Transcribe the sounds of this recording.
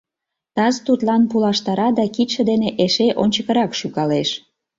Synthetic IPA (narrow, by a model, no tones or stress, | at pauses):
t̪ɑzt̪ut̪lɑnpulɑʃt̪ɑɾɑd̪ɑkit̪ʃə̆d̪eneʔeʃeʔonʲt͡ɕəkə̆ɾɑkʃukɑleʃ